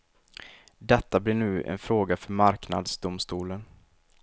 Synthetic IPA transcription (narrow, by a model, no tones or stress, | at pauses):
d̪ɛt̪ːablɪɳʉ̟ːɛ̰nfɾoːɡafœɾmaɾkna̰d̪sd̪ʊmst̪uːlən